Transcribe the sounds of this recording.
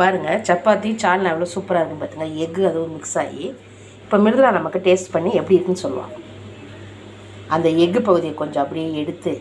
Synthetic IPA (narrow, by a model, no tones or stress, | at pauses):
paːɾɯŋɡɐt͡ʃɐpːaːt̪ːit͡ʃaːɾlɐɛʋɐloːsuːpːɐɾaːɪɾɯkːɯnɯpaːɾt̪iːŋɡɐɛɣɯɐðɯʋɐmɪksaːji | ɪpːoːmɪɾɯnðɯlãːnɐmɐkːɯʈeːsʈpɐɳːiɛpːɐɽɪɪɾkːɯnɯsɔlːɯʋã̰ː | ɐnd̪ɐɛɣɯpɐɣɯðɪjɐkɔɲd͡ʒɔ̃ɐpːɐɽɪjeːɛɽɯt̪ːɯ